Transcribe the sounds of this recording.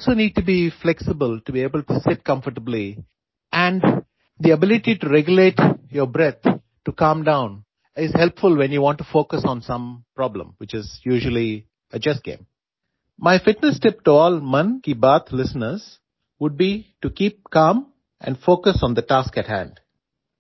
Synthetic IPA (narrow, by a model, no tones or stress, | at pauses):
ɔlsoːniːɖ̚ʈubiflɛksɪbəlʈubieːbəlʈusɪʈ̚kʌ̃mfəʈəbli | ʔæ̃ɳɖ | d̪iəbɪlɪʈiʈuɾɛɡjʊleːʈjəbɾɛt̪̚ʰ | ʈukãːmɖãʊ̃n | ɪzhɛlpfʊlʋɛ̃njuʋɔ̃ːɳʈːufoːkəsɔ̃ːnsʌ̃mpɾɔblə̰̃mwɪt͡ʃɪzjuːʒəli | əd͡ʒɛsɡ̥ḛ̃ːm | maɪfɪʈnəsʈɪp̚ʈuɔːlmʌ̃nkibət̪ʰlɪsənəɾz̥ | ʋʊɖ̚biʈukiːp̚kãːm | ʔæ̰̃ɳfoːkəsɔ̃ːnd̪əʈaːskæʈhæ̰̃ɳɖ